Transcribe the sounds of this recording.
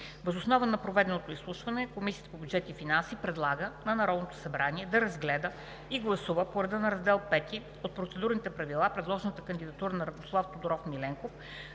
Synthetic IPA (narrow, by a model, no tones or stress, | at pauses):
vəzosnɔvənɐpɾovɛd̪ɛnot̪oislˠuʃvɐnɛkomisʲiət̪ə̥pobʲjud̪d͡ʒɛt̪ifinansipɾɛd̪lˠaɡənɐnɐɾɔd̪not̪o̥sɐbɾaniɛd̪ɐɾɐzɡlɛd̪ə | iɡlˠɐsuvəpoɾɐd̪ənɐɾɐzd̪ɛlˠpɛt̪i | ot̪̚pɾot̪sɛd̪uɾnit̪ɛpɾɐvilˠapɾɛd̪lˠɔʒɛnət̪əkənd̪id̪ɐt̪uɾənɐɾɐd̪oslˠaft̪od̪oɾɔfmilɛŋkof